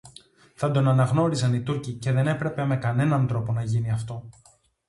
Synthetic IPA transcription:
θɐd̪o̞nɐnɐɣno̞ɾizɐnit̪uɾcice̞ðe̞ne̞pɾe̞pe̞me̞kɐne̞nɐnt̪ɾo̞po̞nɐʝiniɐft̪o̞

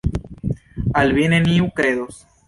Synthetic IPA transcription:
alβjeneniukɾeðos

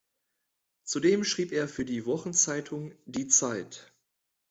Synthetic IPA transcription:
t͡sudeːmʃʁ̥iːpeːɐfyːɐdiːvɔχn̩t͡saɪtʰʊŋdiːt͡saɪt

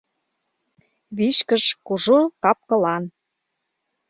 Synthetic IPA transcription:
βiʃkəʃkuʒokɑp̚kɤ̆lɑn

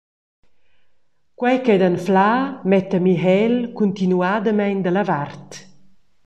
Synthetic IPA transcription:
kwɛjkɛd̪anflaːmɛt̪əmiɦɛlkunt̪inuad̪əmɛjnd̪əlavart̪

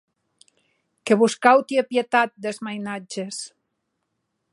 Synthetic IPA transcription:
keβuskawt̪iepjet̪at̪̚d̪ezmajnad͡ʒes

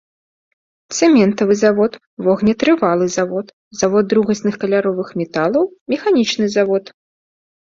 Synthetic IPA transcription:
t̪sɛmʲɛnt̪ɐvɨzavɔt̪ | vɔɣnʲɛt̪ɾɨvalˠɨzavɔt̪ | zavɔd̪ːɾuɣɐsʲnɨxkɐlʲaɾɔvɨxmʲɛt̪alˠɐwmʲɛxanʲit͡ʂnɨzavɔt̪

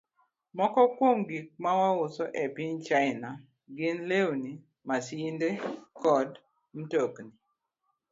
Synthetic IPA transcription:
mɔkɔkwomɡik̚mawaʊsɔʔɛpɪɲt͡ʃaɪna | ɡɪnlewni | masindekɔd | m̩tokni

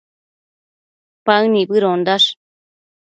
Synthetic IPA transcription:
paɯnibɨɾond̪aʂ

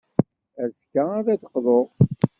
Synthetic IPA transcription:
æskaæðæd̪əqðˤoʁ

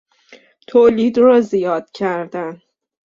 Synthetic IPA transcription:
t̪ʰoliːd̪rɒːzijɒːd̪̥̚cʰæɾd̪æn

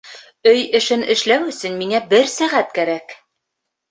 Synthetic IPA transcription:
ɵjɘ̆ʃɘnɘ̆ʃlæwɵ̆sɘ̆nmiŋæbɘɾsæʁæt̪kæɾæk

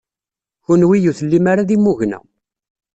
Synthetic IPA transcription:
çʊnwijuθəlːimaɾaðimːuʝnæ̰

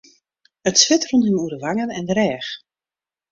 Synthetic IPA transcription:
ətsʋɪtruntənuədəʋaŋənɛndəɾɛːx

